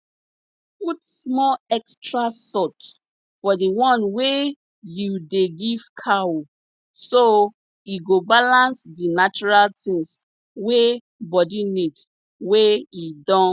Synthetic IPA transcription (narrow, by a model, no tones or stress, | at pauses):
putsmɔlɛkstɹasɔt | fɔdiwɔ̃nwe | judeɡiv̥kʰao | so | iɡobalãnsdinat͡ʃɔɹaltĩŋs | we | bɔdinid | weidɔ̃